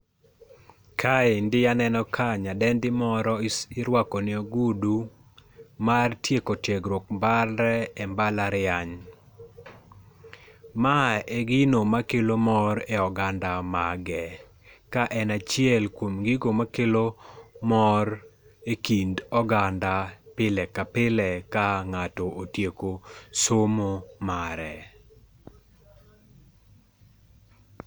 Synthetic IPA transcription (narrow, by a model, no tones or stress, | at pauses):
kʰaendɪjanɛnɔkʰaɲadɛndɪmɔɾɔɪɾwakɔnɪoɡudu | martjekotjeɡɾwok̚mbalɾɛɛmbalaɾɪaɲ | maeɡɪnomakelomɔɾɛɔɡandamaɡɛ | kaʔɛnat͡ʃɪɛlkwomɡiɡomakelomɔɾ | ekindɔɡandapɪlɛkapɪlɛkaŋatɔʔotjekosomomaɾɛ